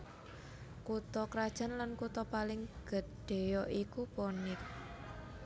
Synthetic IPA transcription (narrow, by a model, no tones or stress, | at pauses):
kut̪ɔkɾad̥ʒ̥a̤nlankut̪ɔpalɪŋɡ̥ə̤d̥e̤jɔʔikupɔnɪk̚